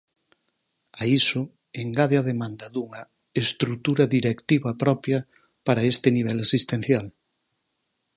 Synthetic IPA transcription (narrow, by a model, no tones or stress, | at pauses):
aisʊ | eŋɡaðeɐðemãnd̪ɐðuŋɐ | est̪ɾut̪uɾɐðiɾekt̪iβɐpɾɔpjɐ | paɾɐest̪ɪniβ̞ɛlasist̪ẽn̟θjal